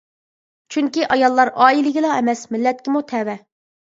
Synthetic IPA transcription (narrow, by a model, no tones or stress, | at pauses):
t͡ʃʰyŋkʲiʔɑjɑlˠːɑɾɑːilɪɡʲɪlɑɛmɛsmɪlːɛt̪̚kʲɪmut̪ʰɛwɛ